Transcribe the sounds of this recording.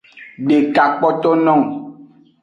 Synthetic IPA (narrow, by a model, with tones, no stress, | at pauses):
ɖe˨ka˨k͡pɔ˦t̪o˦nɔ̃˦˨ŋ˨